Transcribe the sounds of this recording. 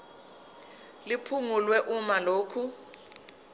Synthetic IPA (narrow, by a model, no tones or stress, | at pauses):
lipʰuŋulwɛʔumaloːkʰu